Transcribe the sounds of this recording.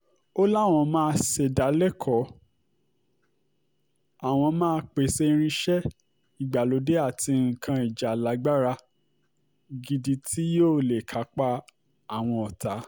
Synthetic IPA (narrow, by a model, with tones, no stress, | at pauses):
o˦la˦˨w̃ɔ̃˧mãː˦˧se˨da˨˦lɛ˦kʰɔ˨˦ | a˨w̃ɔ̃˧mãː˦˧k͡pe˨se˧i˧ɾ̃ĩ˧ʃɛ˦ | i˨ɡ͡ba˨lo˨˧˦de˦a˦˨tʰi˧ŋ̩˨kʰã˧i˨d͡ʒa˨la˨˦ɡ͡ba˦ɾa˧ | ɡi˧di˧tʰi˦joː˦˨le˨kʰa˨˦k͡pa˦ | a˨w̃ɔ̃˧ɔ˨ta˨˦